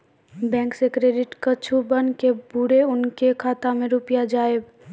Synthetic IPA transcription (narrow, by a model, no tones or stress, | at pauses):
bɛ̃ːŋksekɾeːɖɪʈkət͡ʃʰubənkebʊɽeʊnkekʰaːt̪amẽɾʊpjad͡ʒaːeb